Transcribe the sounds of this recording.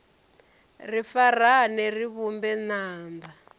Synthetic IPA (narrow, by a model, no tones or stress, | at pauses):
rifaranɛriβumbɛnaːmba